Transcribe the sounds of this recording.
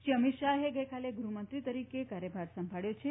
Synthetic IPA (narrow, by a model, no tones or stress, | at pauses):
ʃiəmit̪ʃaɦeɡəjkaleɡɾumənt̪ɾit̪əɾikekaɾjəbʱaɾsəmbʱaɭjot͡ʃʰe